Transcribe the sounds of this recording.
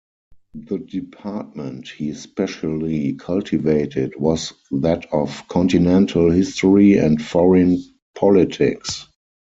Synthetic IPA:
ðədɪpʰat̚mɛ̃nthiːspɛʃəlikʰaltʰiveɪtʰɪtwɔsðætʰɔfkʰɔ̃ntinɛ̃ntʰəlhɪstɔɹiɛ̰̃ntfɔɹə̃n | pʰɔlɪtʰɪ̰ks

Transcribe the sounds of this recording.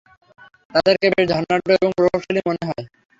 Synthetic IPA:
t̪ad̪eɾkebed̪ʱɔnːaɖoeboŋpɾobabʃolimoneɦɔe

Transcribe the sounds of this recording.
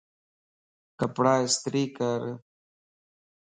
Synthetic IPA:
kɐpɽaːist̪ɾiːkaɾ

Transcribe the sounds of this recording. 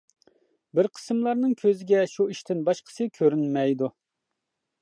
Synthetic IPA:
bɪɾqʰə̥sɨmlˠɑɾnɨŋkʲʰøzɪɡʲɛʃuiʃt̪ɪnbɑʃqʰə̥sɨkʲʰøɾynmɛjd̪u

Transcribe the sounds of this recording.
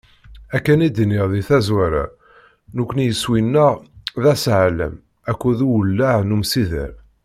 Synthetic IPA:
ækːænid̪niʁðiθæzwæɾa̰ | nukʷːənjəswinːæʁðæsʕalə̰m | ækʷːuðuwəlːaʕnumsiðə̰ɾ

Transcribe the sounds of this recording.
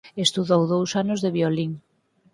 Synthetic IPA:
est̪uðowðowsanozðeβjoliŋ

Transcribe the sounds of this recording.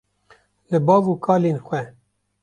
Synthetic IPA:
lɨbɑːɡuːkʰɑːleːnxwɛ

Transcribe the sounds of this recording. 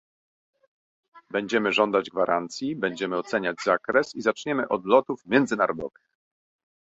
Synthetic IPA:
bɛɲd͡ʑɛmɘʐɔnd̪ad͡ʑɡvaɾʔant̪sʲjibɛɲd͡ʑɛmɘɔt̪sɛɲad͡ʑzakɾɛsizat͡ʂɲɛmɘʔɔd̪lɔt̪ufmʲjɛnd̪zɘnaɾɔd̪ɔvɘx

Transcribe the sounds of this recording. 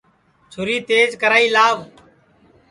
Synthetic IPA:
t͡ʃʰʊɾiːt̪eːzkəɾaːiːlaːʋ

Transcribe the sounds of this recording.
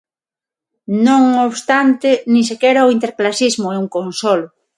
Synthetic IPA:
nõŋoβst̪ant̪enĩsekɛɾaoint̪eɾklasizmoɛuŋkonsolʊ

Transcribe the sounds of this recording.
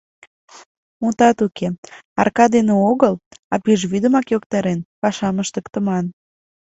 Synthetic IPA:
mut̪ɑt̪ukʰeɑ̰rkɑd̪eneoɣəlɑpyʒβyd̪əmɑkjokt̪ɑɾenpɑʃɑməʃt̪əkt̪əmɑn

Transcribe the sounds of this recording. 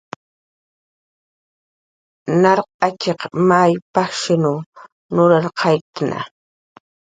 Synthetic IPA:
nɑɾqʼɑt͡ʃeqmajpaχʃɪnʊ | nʊɾaɾqʰɑjt̪ana̰

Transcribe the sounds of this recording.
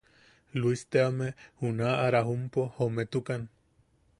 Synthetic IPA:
luist̪eamehunaaɾaɦumpohomet̪ukan

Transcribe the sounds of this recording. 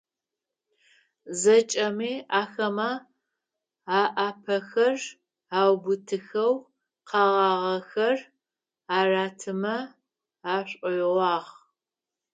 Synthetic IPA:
zɐt͡ʃʼɐmiːaːxɐmɐ | aːʔaːpʰɐxɐr | aːwbʊtʰɨxɐw | qɑʁɑːʁɐxɐr | aːraːtʰɨmɐ | aːɕʷʼɔjʁʷɑːʁ

